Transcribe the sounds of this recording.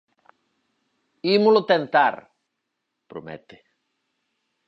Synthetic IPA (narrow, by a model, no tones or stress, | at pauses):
imulot̪ent̪a̰ɾ | pɾomḛt̪e̥